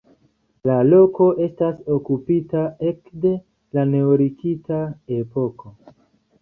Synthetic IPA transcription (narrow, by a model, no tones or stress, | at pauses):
lalo̞ko̞ʔe̞staso̞kupitae̞kde̞ | lane̞oɾikitae̞po̞ko̞